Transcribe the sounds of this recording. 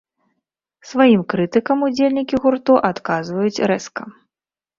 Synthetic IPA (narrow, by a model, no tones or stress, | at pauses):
svajimkɾɨt̪ɨkɐmud͡zʲelʲnʲikʲiɣurt̪uʔat̪kazvɐjut͡sʲɾɛskɐ